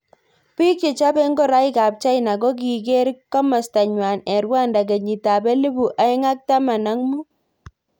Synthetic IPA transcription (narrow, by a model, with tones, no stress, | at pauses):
pi˦k̚t͡ʃe˨t͡ʃa˦bɛ˦ŋɡɔ˦ɾa˦jka˨p̚t͡ʃa˦jna˨ɡɔ˦ɡ̬i˨ɡe˦ɾkːa˦ma˨sta˨ɲwa˨nɛ˨ɾwa˦nda˨ɡe˨ɲi˨ta˨bɛ˦lɪ˦bu˨ʔa˨˦jŋa˦k̚ta˦ma˨na˦ŋmu˦